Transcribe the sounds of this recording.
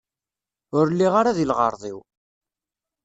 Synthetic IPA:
ʊɾlːiʁaɾaðilʁə̰ɾˤðˤḭw

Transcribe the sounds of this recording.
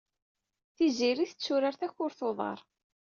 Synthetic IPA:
θiziɾiθət͡sːʊɾaɾθæçʊɾθoðˤɑ̰ɾˤ

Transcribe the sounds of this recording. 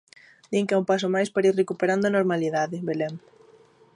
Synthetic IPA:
d̪iŋkaumpasomajspaɾairekupeɾand̪oʊanoɾmaliðaðɪbelɛŋ

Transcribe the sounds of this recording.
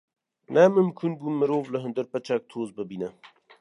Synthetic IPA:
naːməmkʰunɡummːəɾoːvləɦənd̪əɾpɐt͡ʃʰak̚t̪ʰoːzbəbinə

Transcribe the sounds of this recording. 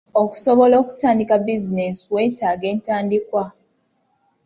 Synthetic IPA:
oku̥soβo̞lo̞ːku̥taːndikabizine̞suwe̞ːtaːɡe̞ːntaːndikwa

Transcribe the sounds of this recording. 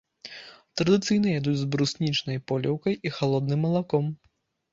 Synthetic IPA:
t̪ɾɐd̪ɨt̪sɨjnɐjad̪ud͡zʲzbɾusʲnʲit͡ʂnɐjpɔlʲɛwkɐjʔixalˠɔd̪nɨmːɐlˠakɔm

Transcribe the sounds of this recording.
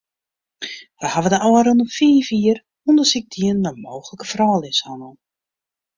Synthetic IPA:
ʋəhavədəʔɔwaɾonəfiːfiər | ɔndəsɪɡ̚d̥iənməmoːxələkəfrɔːlˠɪshanə

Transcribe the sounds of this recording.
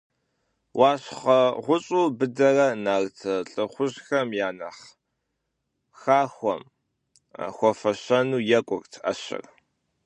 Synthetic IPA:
wʔaːɕχɐʁʷʊɕʼuːbɨdɐrɐnaːrtʰɐɬʼɨχʷʊʑxɐmjaːnɐχ | xaːxʷɔ̰m | xʷɔfɐɕɐnuːjɛkʷʼʊrtʰa̰ɕɪ̰r

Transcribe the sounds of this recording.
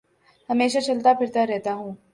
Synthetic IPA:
hɐmeːʃat͡ʃɐlt̪apʰɪɾt̪aɾɛɦt̪aɦũː

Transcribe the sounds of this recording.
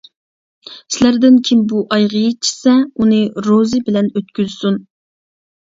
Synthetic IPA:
sɪlæɾd̪ɪnkʲʰimbuʔɑjʁəjit͡ʃʰi̥sɛunɨɾozɨbɪlɛnøt̪̚kʲyzsun

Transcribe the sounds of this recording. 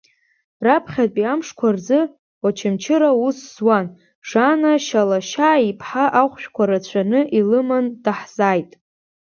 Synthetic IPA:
rapʰχʲat̚ʼpʼiamʂkʷʰarzɨ | wat͡ʃʰɪmt͡ʃʰɪɾausːwan | ʐ̥anaʃalaʃaːipʰħaʔaχʷʃᶣkʷʰaɾat͡ɕʷʰanɨʔilɨmandaħz̥ajtʼ

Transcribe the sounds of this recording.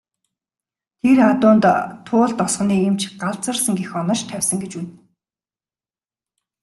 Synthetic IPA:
t̪ʰerat̪ʊːnt̪ʰːʊːɮt̪ɔsχ̆niːemt͡ɕʰɢaɮt͡sə̆rsə̆ŋɡexɔnɞ̆ʃt̪ʰæwʲsə̆ŋɡet͡ɕun

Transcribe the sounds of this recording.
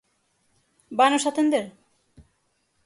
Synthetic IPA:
banoʃat̪end̪eɾ

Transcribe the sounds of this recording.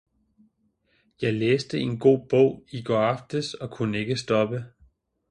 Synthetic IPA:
jɑ̈ɪleːsd̥əe̝nɡ̥o̝̰ːb̥ɔ̰ʊ̰iɡ̥ɒɑ̈fd̥əsɒ̽kʰunəe̝ɡ̥əsd̥ɒ̽b̥ə

